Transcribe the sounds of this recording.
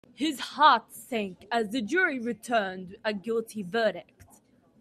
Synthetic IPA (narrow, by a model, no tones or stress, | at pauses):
hɪz̥hɑˑtsæ̃ŋkəzðɨd͡ʒʊɹiɹɨtʰɜːnd̚əɡɪlˠtʰivɜːɾɪk̚t